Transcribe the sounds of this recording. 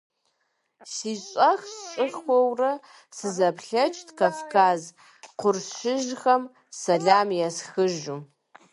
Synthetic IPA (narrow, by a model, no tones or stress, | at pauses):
siːɕʼɐxst͡ʃʼɨxʷɔwrɐ | sɨzɐpɬɐt͡ʃʼtkʰafkʰaːz | qʷʰʊrʃɪʒxɐm | sɐɮaːmjasxɨʒu